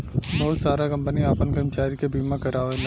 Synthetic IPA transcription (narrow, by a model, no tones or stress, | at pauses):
doːlsaːɾakɐ̃mpəniaːpənkɐmt͡ʃaːɾikebʱiːmãkɐɾaːʋel